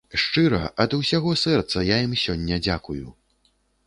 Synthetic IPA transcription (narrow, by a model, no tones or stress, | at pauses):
ʂt͡ʂɨɾɐ̰ʔɐd̪ɐwsʲaɣɔsɛrt̪sɐjajimsʲɔnʲːɐd͡zʲakuju